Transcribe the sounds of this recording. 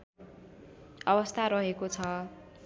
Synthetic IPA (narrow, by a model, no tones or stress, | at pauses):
ʌbʌst̪ʰaɾʌɦekot͡sʰʌ